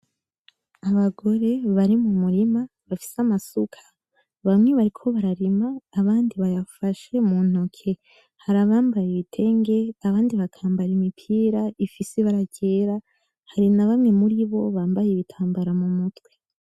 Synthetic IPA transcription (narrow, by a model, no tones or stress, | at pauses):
aβaɡo̞ɾe̞βaɾimumuɾima | βafi̥seamasukʰḁ | βamŋeβaɾikʰo̞βaɾaɾimaːβaːndiβajafaʃe̞mun̥ukʰe̞ | haɾaβaːmbajeβitʰe̞ŋɡe̞aβaːndiβakʰaːmbaɾimipʰiːɾaifiseβaɾaɟe̞ːɾa | haɾinaβamŋemuɾiβo̞βaːmbajeβitʰaːmbaɾamumutwe̥